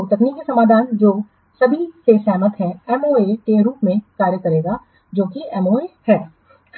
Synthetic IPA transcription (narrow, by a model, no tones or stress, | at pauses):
t̪ɐkniːkisɐmaːd̪ʱaːnd͡ʒoː | sɐbʱisesɛːmət̪ɦɛ̃ɛmoːekeɾuːpmẽkaːɾjəkɐɾeːɡa | d͡ʒoːkiɛmoːehɛː